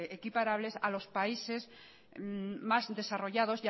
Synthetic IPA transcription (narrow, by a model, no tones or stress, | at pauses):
ʔekipaɾaβle̞salo̞spaise̞z | mazðe̞saro̞ʝað̞o̞zja